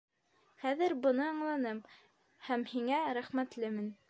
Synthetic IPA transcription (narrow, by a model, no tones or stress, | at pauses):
χæðɘɾbɤ̆nɤɑɴlˠɑnɤm | hæmhiŋæɾæχmæt̪lɘmɘn